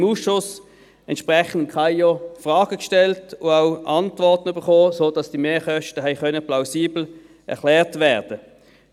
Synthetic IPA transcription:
muːsʃʊs | ɛntʃpʁɛχn̩kχɑɪɔfʁɑːɡ̥əkʃtɛltʊaʊʔɑntvɔʁtən̩yb̥əʁχoːsoːd̥ɑsd̥imeːχœʃtəɦɛɪkœnəplaʊsiːbl̩ | ʔɛ̰ɐχlɛːʁtvɛːʁd̥ə

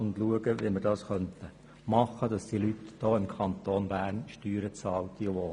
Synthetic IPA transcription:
ʊnd̪luəɡəʋimərdɑːsχœnt̪ə | mɑχːədɑsd̪̥ilyt̪d̥ɔːɪmkʰɑnt̪oːnbæːnʃtyːɾət͡sɑːlt̪iʋoː

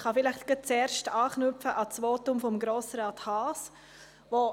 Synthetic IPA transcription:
χɑfɪlɪχtɡ̥ət͡sɛːɾʃtɑːχnʏfəʔɑt͡sʋoːtʊmfɔmɡɾoːsɾɑːthɑːs | vo

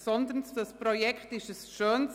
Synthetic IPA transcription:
sɔnd̪ənsdɑspʁojɛkχtɪʃɛsʃøːn

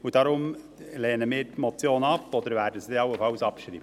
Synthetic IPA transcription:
ʊd̪ɑːɾʊm | leːnəmɪːɾmɔt̪sɪjoːnəɑpːɔd̪əɾʋæːɾɖəsid̪eɑʊəfɑlsɑpʃɾḭːbə

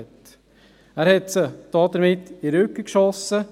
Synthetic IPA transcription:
t | æːɾhɛt̪səd̪̥ɑːd̪əɾmɪtːɪɾʏkːəkʃɔsːə

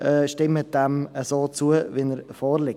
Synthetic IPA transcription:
ʔɛʃtɪmət̚d̥ɛməsoːt͡suəʋinəɾfoːɾlɪk

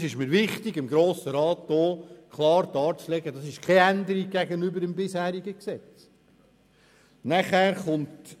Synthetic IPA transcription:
sɪʃməɾʋɪχtɪɡɪmɡɾoːsəɾɑːtdoːkʰlɑːɾd̥ɑːɾt͡slɛɡ̥ədɑsɪʃkʰɛænd̪əɾik̚ɡæɡənybəɾɪmbɪshæːɾiɡəksɛt͡s | næχæːɾχʊnt

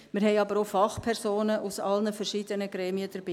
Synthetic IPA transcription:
mɪɾɦɛɪɑbəɾofɑχpʰɛɾsoːnəʔusɑlnəfɛrʃiːdənəɡɾɛːmiəd̥əɾb̥iː

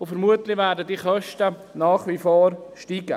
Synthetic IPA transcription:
ʊfəɾmuətlɪʋɛːɾdədiχœʃtə | naːχʋifoːɾʃtiːɡə

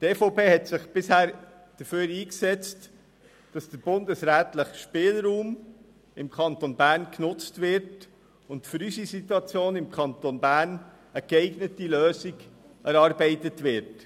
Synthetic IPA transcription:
tefoʊpeːɦɛtsɪχb̥ɪshæːɾ | d̥əføːɾiːksɛt͡st | d̥ɑsd̥əɾb̥ʊndəsɾæːt̪ləχʃpɪːlɾuːm | ɪmkʰɑnt̪onbæːɾnknʊt͡stʋɪɾt | ʊntfʏɾysisituɑt͡sjoːnɪmkʰɑnt̪onbæːn | əkɛɪɡnətiløːsiɡ | ɛɾɑɾbɛɪt̪ətʋɪɾt

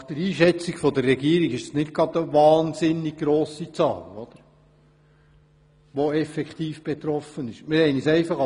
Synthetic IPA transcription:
χd̥əɾiːʃɛt͡siɡfɔd̪ərːɛɡiːəɾiɡɪʃdəsnɪt̚ɡ̥ɾɑd̪əʋɑːnsɪnːiɡ̥̚ɡɾoːsit͡sɑ̰ːlɔd̥̪əɾ | ʋoɛfɛkχt̪iːfb̥ɛt̪ɾɔfənɪʃmɪɾhɛɪnisɛɪfɑχ

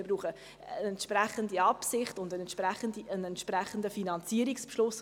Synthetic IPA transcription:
ɪbɾuːχə | əɛntʃprɛχəndiɑpsɪχtʊndənɛnt͡ʃpɾɛχəndiənɛntʃpɾɛχəndəfinɑnt͡siːəɾikspʃlʊs

